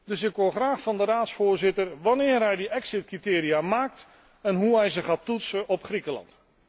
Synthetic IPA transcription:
dɵsɪkʋoχraːχfɑndəɾaːtsfoːɹzɪtərʋɑnɪːrɦɛjdəɛksɪt̚kritɪːɾiaːmaːk̚t | ɛnɦuɦɛjzəχaːtutsəʔɔpχrikəlɑ̰nt

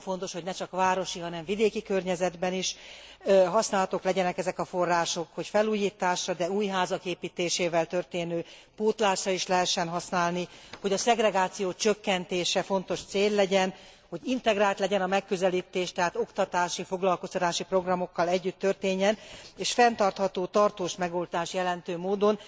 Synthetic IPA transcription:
fo̞nt̪o̞ʃho̞ɟnɛt͡ʃɒkvaːɾo̞ʃiɦɒnɛɱvid̪eːkikørɲɛzɛd̪bɛniʃ | ɦɒsnaːlɒt̪oklɛɟɛnɛkɛzɛkɒfo̞rːaːʃo̞kho̞cfɛluːjiːt̪aːʃrɒd̪ɛuːjɦaːzɒkeːpiːt̪eːʃeːvɛlt̪ø̞rt̪eːnøː | poːt̪laːʃrɒiʃlɛɦɛʃːɛnɦɒsnaːlniho̞ɟɒsɛɡrɛɡaːt̪sijoːt͡ʃøkːɛnt̪eːʃɛfo̞nt̪o̞ʃt̪seːlːɛɟɛn | hoɟint̪ɛɡraːlt̪lɛɟɛnɒmɛkːø̞zɛliːt̪eːʃt̪ɛɦaːt̪o̞kt̪ɒt̪aːʃifo̞ɡlɒlko̞st̪ɒt̪aːʃipro̞ɡrɒmo̞kːɒlɛɟːyt̪ːørt̪eːɲːɛneːʃfɛnt̪ɒrt̪hɒt̪oːt̪ɒrt̪oːʃmɛɡo̞lt̪aːʃjɛlɛnt̪øːmoːd̪o̞n

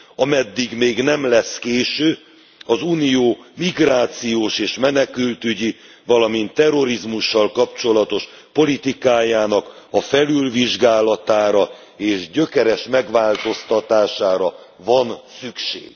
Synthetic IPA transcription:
ɒmɛd̪ːiɡmeːɡnɛmlɛskeːʃøː | ɒzuːnijoːmiɡraːt̪sijoːʃeːʃmɛnɛkylt̪yɟi | vɒlɒmint̪ːɛro̞ɾizmuʃːɒlkɒpt͡ʃo̞lɒt̪o̞ʃ | po̞lit̪ikaːjaːnɒkɒfɛlylviʒɡaːlɒt̪aːɾɒ | eːʒɟøkɛɾɛʃmɛɡʋaːlt̪o̞st̪ɒt̪aːʃaːɾɒ | vɒnsykʃḛːɡ̥

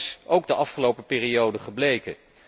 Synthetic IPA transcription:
sowɡdəʔɑfχəlowpəpɪːriowdəχəblejkə

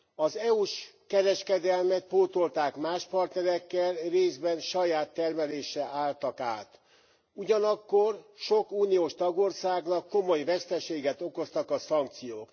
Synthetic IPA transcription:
ɒzɛuʃkɛɾɛʃkɛd̪ɛlmɛt̪̚poːt̪o̞lt̪aːkmaːʃpɒrt̪nɛɾɛkːɛlreːzbɛnʃɒjaːt̪ːɛrmɛleːʃɛʔaːlt̪ɒka̰ːt̪ | uɟɒnɒkːo̞rʃo̞kuːnijoːʃt̪ɒɡo̞rsaːɡnɒkːo̞mojvɛst̪ɛʃeːɡɛt̪o̞ko̞st̪ɒkɒsɒŋk̚t̪sijoːk

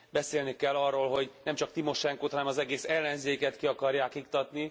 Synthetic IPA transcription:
bɛseːlnikɛlːɒrːoːlɦo̞ɟnɛmt͡ʃɒk̚t̪imo̞ʃɛŋkoːt̪hɒnɛmɒzɛɡeːsɛlːɛnzeːkɛt̪kiɒkɒrjaːkik̚t̪ɒt̪ni

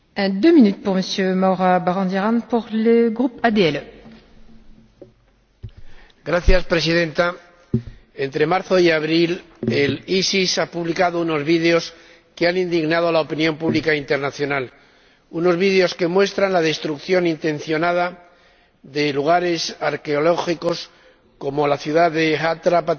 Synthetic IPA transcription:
ɛ̃d̪ømĩnyt̪̚puʁməsjømawʁabaʁɔ̃d̪iʁãnpuʁləɡʁupad̪eɛlø | ɡɾaθjaspɾe̞siðe̞nt̪a | e̞nt̪ɾe̞maɾθo̞iaβɾil | elisisapuβlikaðouno̞zβiðeo̞s | keanind̪iɣnaðo̞laopinjo̞mpuβlikaint̪e̞ɾnaθjo̞nal | uno̞zβiðeo̞ske̞mwe̞st̪ɾanlað̞e̞st̪ɾukθjo̞nint̪ẽ̞nθjonað̞a | ðe̞luɣ̞aɾe̞saɾke̞o̞lo̞xiko̞s | ko̞mo̞laθjuðaðeat̪ɾapa

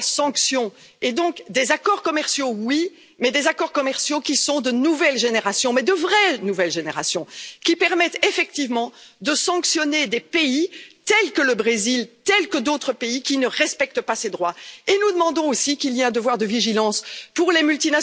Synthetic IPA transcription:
sɑ̃ksjɔ̃ | ed̪ɔ̃kd̪ezakɔʁkɔmɛʁsjowi | mɛd̪ezakɔʁkɔmɛʁsjokʲisɔ̃d̪ənuvɛlʒeneʁasjɔ̃mɛd̪əvʁɛnuvɛlʒeneʁasjɔ̃kʲipɛʁmɛt̪efɛkt̪ivmɑ̃d̪əsɑ̃ksjɔned̪epeit̪ɛlkələbʁezilt̪ɛlkəd̪ot̪χəpeikʲinəʁɛspɛk̚t̪əpased̪ʁwaenud̪əmɑ̃d̪ɔ̃osikiliɛ̃d̪əvwaʁd̪əviʒilɑ̃spuʁlemylt̪ina

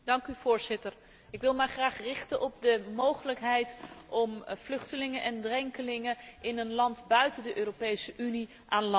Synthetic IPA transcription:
dɑŋkyvʊːɹzɪtəɹ | ɪkʋɪlˠmajχraːχrɪχtənʔɔb̚dəmowχələkɦɛjtʔɔmv̥lɵχtəlɪŋəʔɛndrɛŋkəlɪŋəɪnənlɑntbœɥtəndəʔøːropejsəʔyni | ʔaːnlɑ

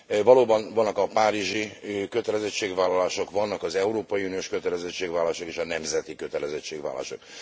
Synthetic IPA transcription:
vɒloːbɒnvɒnːɒkɒpaːɾiʒikø̞t̪ɛlɛzɛt͡ʃːeːɡʋaːlɒlaːʃo̞kʋɒnːɒkɒzɛuɾoːpɒjiunijoːʃkø̞t̪ɛlɛzɛt͡ʃːeːɡʋaːlːʃokeːʃɒnɛmzɛt̪ikø̞t̪ɛlɛzɛt͡ʃːeːɡʋa̰ːla̰ːʃo̞̰k

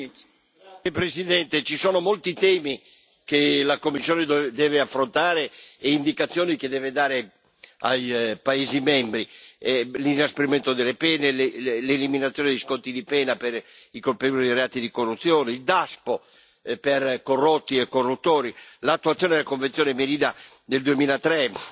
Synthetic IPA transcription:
pɾesid̪ɛnt̪et͡ʃisɔːnomolt̪it̪ɛːmi | kelakomːisːjɔːned̪d̪ɛːveafːɾont̪aːɾeːind̪ikat̪sːjoːnik̟ed̪ɛːved̪aːɾe | a̰jpaezimɛmbɾi | linaspeɾimɛnt̪od̪elepɛːnelleliminat̪sːjɔned̪iskɔnt̪ːid̪ipɛːnapeɾikolpevolieɾeaːt̪id̪ikorːut̪sːjɔːneild̪aspo | peɾkorːot̪ːiɛkːorːut̪ːoːɾilat̪ːuat̪sjɔned̪elakoɱvent̪jɔːnemeɾiːd̪a | d̪eld̪uemiːlat̪ɾɛ

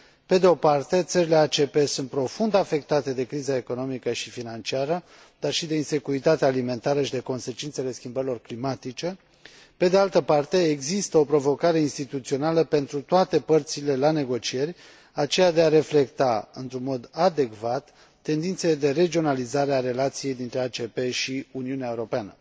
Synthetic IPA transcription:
pe̞d̪eo̞part̪e̞t̪səɾile̞at͡ʃe̞pe̞sunt̪̚pɾo̞fund̪afe̞k̚t̪at̪e̞d̪e̞kɾizae̞ko̞no̞mikəʃifinant͡ʃiaɾə | d̪̥arʃid̪e̞inse̞kuɾit̪at̪eaːlime̞nt̪aɾəʃid̪e̞ko̞nse̞t͡ʃint̪se̞le̞skʲimbəɾilo̞rklimat̪it͡ʃe̞ | pe̞d̪e̞alt̪əpart̪e̞ːɡzist̪əo̞pɾo̞vo̞kaɾe̞inst̪it̪ut̪sio̞naləpe̞nt̪ɾut̪oat̪e̞pərt̪sile̞lane̞ɡo̞t͡ʃie̞rʲ | at͡ʃe̞jad̪e̞aɾe̞fle̞kt̪aɨ̰nt̪ɾunmo̞d̪ad̪e̞ɡvat̪ː | e̞nd̪int̪seled̪e̞re̞d͡ʒio̞nalizaɾeaɾe̞lat̪sije̞jd̪int̪ɾe̞at͡ʃe̞pe̞ʃiuniuneaeuɾo̞peanə

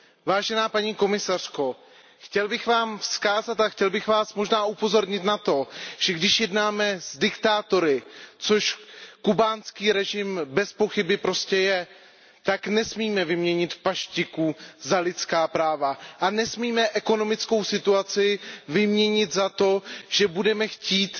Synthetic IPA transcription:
vaːʒɛnaːpaɲiːko̞mɪsar̝̥ko̞ | xcɛlbɪxvaːmfskaːzat̪axcɛlbɪxvaːsmo̞ʒnaːʔupo̞zo̞ɾɲɪt̪nat̪o̞ʒ̥ɛɡdɪʃjɛdnaːmɛzdɪkt̪aːt̪o̞ɾɪt͡so̞ʃkubaːnskiːɾɛʒɪmbɛspo̞xɪbɪpɾo̞scɛjɛ | t̪aknɛsmiːmɛvɪmɲɛɲɪt̪paʃcɪkuzalɪt̪t͡skaːpɾaːvaʔanɛsmiːmɛʔɛko̞no̞mɪt͡sko̞wsɪt̪uat͡sɪvɪmɲɛɲɪt̪zat̪o̞ʒ̥ɛbudɛmɛxciːt̪

